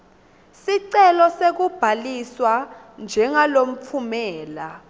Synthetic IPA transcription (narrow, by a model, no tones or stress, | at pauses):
siǀɛlɔsek̬ub̥ʱaliswa | nd͡ʒʱɛŋalom̩p̪fʰumɛːla